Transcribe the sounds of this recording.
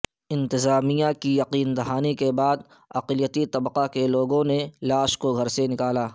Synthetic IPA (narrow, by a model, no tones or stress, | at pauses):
ɪ̃nt̪ɪzaːmijakijɐqiːnd̪ɐɦaːnikebaːd̪ | ɐqlijət̪it̪ɐbqakeloːɡõnelaːʃkoɡʱɐɾsenɪkaːlaː